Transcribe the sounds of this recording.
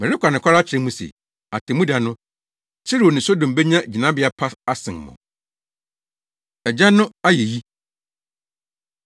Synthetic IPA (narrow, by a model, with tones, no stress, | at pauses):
mɛ̃˨ɾɪ˦kʷʰa˨nɪ̃˨kʰa˦ɾa˦t͡ɕʰɪ˨ɾɛ̃˦mũ˦sḛ˨ | a˨tʰɪ˨mũ˦da˨nʊ̃˦ | t͡ɕʰɪ˦ɾi˨o˨nɪ̃˨so˦dõ˨m˨be˦ɲã˦˨d͡ʑi˨nã˦bɪ˨˦a˨pʰa˦a˦sɪ̃˨n˨mɔ̰̃˨ | ɛ˨d͡ʑa˦nʊ̃˦a˦jɛ˨ji˦